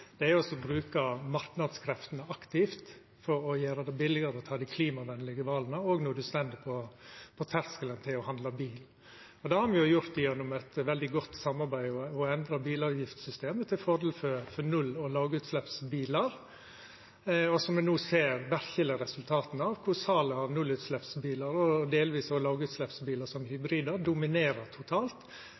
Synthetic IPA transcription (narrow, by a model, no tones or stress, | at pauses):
d̪̥ɛæɾjʊɔsːɔbɾʉːkɑmɑɾknɑd̪skʰɾɛft̪ənəʔɑkt̪ɪft̪ | fɔɾɔjøːɾɑd̪ɛbɪlːɪɡɑɾəɔt̪ʰɑːd̪ɪkʰliːmɑʋɛnːlɪɡəʋɑːlənəoːɡnuːd̪ʉst̪ɛnd̪ɪpʰɔpʰɔt̪ʰæɾskələnt̪ʰɪlɔhɑnd̪lɑbiːl | ɔd̪ɛhɑɾmɪjʊjʊɾt̪ɪjɛnːʊmɛt̪ʋɛld̪ɪɡɔt̪ːsɑmɑɾbæɪɔɔɛnd̪ɾɑbiːlɑːʋjɪft̪sʏst̪eːmət̪ʰɪlfɔɾd̪ɛlfœɾfɔɾnʉlːɔlɑːɡʉːt̪slɛpsbiːləɾ | ɔsɔmd̪ɛnuːseːɾʋæɾçələɾɛsʉlt̪ʰɑːt̪n̩ɑʋkʰʊɾsɑːləɑɾnʉlːʉːt̪slɛpsbiːlɑɾɔd̪eːlʋiːsɔlɑːɡʉːt̪slɛpsbiːləsɔmhʏbɾiːd̪əɾd̪ʊmɪneːɾət̪ʰʊt̪ʰɑːlt̪